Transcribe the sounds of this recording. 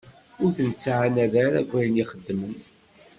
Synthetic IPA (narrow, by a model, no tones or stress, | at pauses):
ʊɾθənt͡sːʕanæðæɾæ̰ɡʷːæjənjiχəd̪ːmən